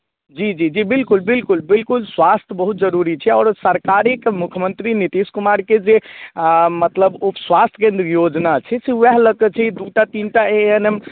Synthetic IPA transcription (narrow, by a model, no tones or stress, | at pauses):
d͡ʒid͡ʒid͡ʒibilkulbilkulbilkulsʋast̪ʰjəbəɦut̪d͡ʒəɾuɾit͡ʃʰɛɔːɾsəɾkaɾekmukʰjəmənt̪ɾinit̪iskumaɾked͡ʒe | mət̪ləbupsʋast̪ʰəkẽnd̪ɾjod͡ʒnat͡ʃʰɛseʋɛɦləkɛt͡ʃʰɛid̪uʈat̪inʈaeɦənem